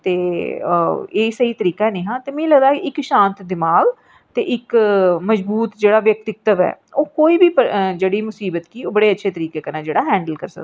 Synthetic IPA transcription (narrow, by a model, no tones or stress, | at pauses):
t̪eː | eːsəiːt̪əɾiːkanẽːɦãːt̪eːmɛ̃ːləɡd̪aːkiɪkʃãːnt̪d̪ɪmaːɡ | t̪ḛːʔɪkməd͡ʒbuːt̪d͡ʒeːɽaːʋjək̚t̪ɪk̚t̪əʋɛ̰ː | oːkoːiːbiːpəd͡ʒeːɽiːmʊsiːbət̪kiːoːbəɽeːətːʃʰeːt̪əɾiːkeːkənãːd͡ʒeːɽaːɦɛ̃ːɳɖəlkə̰ɾsə̰d̪a